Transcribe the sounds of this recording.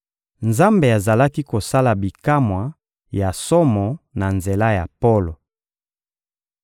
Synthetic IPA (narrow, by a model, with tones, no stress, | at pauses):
nza˦mbe˨a˨za˨la˦ki˦ko˨sa˦la˨bi˨ka˦mwa˨ | ja˨sɔ˦mɔ˨na˨nze˨la˦ja˨po˦lo˨